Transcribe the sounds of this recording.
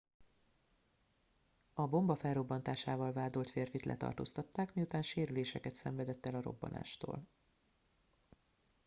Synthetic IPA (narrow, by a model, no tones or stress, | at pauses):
ɒbo̞mbɒfɛlro̞bːɒnt̪aːʃaːvɒlvaːd̪olt̪feːrfit̪lʔɛ̰t̪ɒ̰rt̪o̰ːst̪ɒt̪ːaːkmijut̪aːnʃeːɾyleːʃɛkɛt̪sɛɱvɛd̪ɛt̪ːɛlɒɾo̞̰bːɒ̰na̰ːʃt̪o̰ːl